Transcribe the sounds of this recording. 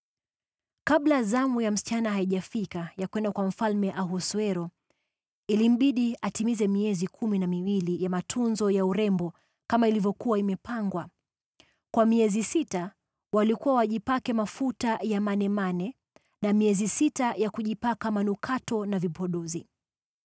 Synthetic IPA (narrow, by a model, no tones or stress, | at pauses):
kaɓlazamujam̩si̥t͡ʃanaɦaiʄafikajakwɛndakwam̩falmɛʔaɦuswɛɾɔ | ilim̩ɓiɗiatimizɛmiɛzikʰuminamiwilijamatʰunzɔjauɾɛmbɔ | kamailivjɔkuwaimɛpaŋɡwa | kwamiɛzisita | walikuwawaʄipakɛmafutajamanɛmanɛ | namiɛzisitajakuʄipakamanukʰatɔnavipʰɔɗɔzi